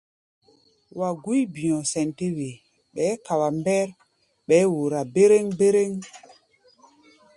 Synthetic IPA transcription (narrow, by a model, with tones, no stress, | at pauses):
wa˨ɡu˦jbĩ˨jɔ̃˨sɛ˨nte˦we˨ | ɓɛ˨˦ka˨wa˨mbɛ˦ɾ | ɓɛ˨˦wo˨ɾa˨be˦ɾe˦ŋbe˦ɾe˦ŋ